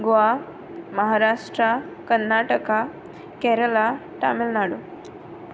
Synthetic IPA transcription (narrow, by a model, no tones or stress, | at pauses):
ɡoa | məɦaɾaʂʈɾa | kənːaʈəka | kɛɾəla | ʈamelnaɽo